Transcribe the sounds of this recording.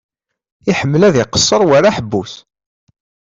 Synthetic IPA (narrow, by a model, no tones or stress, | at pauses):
iħəmːəlæðiqə̥sˤːəɾˤwaɾaħəbːus